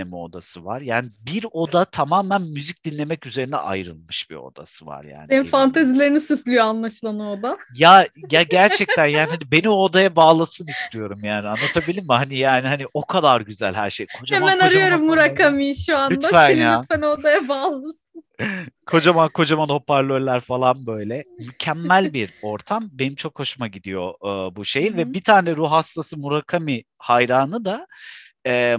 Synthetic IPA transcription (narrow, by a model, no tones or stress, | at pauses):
emɛo̞̰d̪a̰sɯva̰ɾjaːnibiɾo̞d̪at̪ʰamaːmænmyzic̚d̪̥inlʲe̞mɛcyze̞ɾinɛ̰ʔa̰jɾɯ̰lˠmɯʃbḭo̰d̪a̰sɯva̰ɾja̰ːnenifant̪ʰazilʲe̞ɾinisyslʲyjoanlˠaʃlˠanɯod̪ajaɟaɟæɾt͡ʃʰɛc̚t̪ʰænjaːnhanibe̞nio̞d̪ajabaːlˠasɯnist̪ʰijo̞ɾumjaːnianːat̪ʰabilʲiɾmihanijaːnihaniʔo̞kʰad̪aɾɟyzælʲhæɾʃejkʰod͡ʒahemmɛnaɾɯjo̞ɾumːuɾakamijʃuand̪afænjafænoɾd̪ajabaːlˠasɯnkʰo̞d͡ʒamakʰo̞d͡ʒamano̞pʰaɾlʲøllʲːæɾfalˠanbø̞jlʲɛmycʰɛmːælʲbiɾo̞ɾt̪ʰambe̞nimt͡ʃʰo̞kho̞ʃumaɟid̪ijo̞ːbuʃe̞jinvɛbit̪ʰaːnɛɾuɦast̪ʰasɯmuɾakʰami | hajɾaːnɯd̪a | ɛː